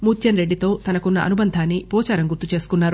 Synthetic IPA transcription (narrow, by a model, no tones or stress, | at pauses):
muːt̪ʰjɐnɾe̞ɖːit̪o̞ːt̪ɐnɐkunːɐʔɐ̰nubɐnd̪ʱaːnːipɔːt͡ʃaːɾɐmɡuɾt̪ut͡ʃe̞ːsu̥kunːaːɾu